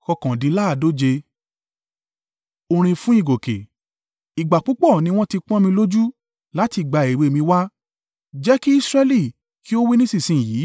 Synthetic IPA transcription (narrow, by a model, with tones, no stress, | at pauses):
kɔ˧kã˨dĩ˧˦la˦a˦˨do˦d͡ʒe˧ | o˧ɾ̃ĩ˧fũ˦i˦˨ɡo˨kḛ˨ | i˨ɡ͡ba˨k͡pu˨˦k͡pɔ˦˨nĩ˧w̃ɔ̃˦ti˧k͡pɔ̃˦mĩ˧lo˦d͡ʒu˦ | la˨˦ti˧˨ɡ͡ba˧˨e˨we˧˨mĩ˧wa˦ | d͡ʒɛ˦ki˦i˦sɾɛ˦li˦˨ | ki˦o˦wi˦nĩ˦sĩ˦˨sĩ˧˨jiː˨˦